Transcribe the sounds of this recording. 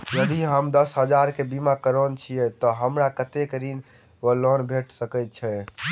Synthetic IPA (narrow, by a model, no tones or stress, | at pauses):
jəd̪iɦəmd̪əsɦəd͡ʒaɾkebimakəɾont͡ʃʰijɛt̪ɔɦəmɾakət̪ekɾin | əlonbʱeʈʰsəkɛt̪̚t͡ʃʰɛ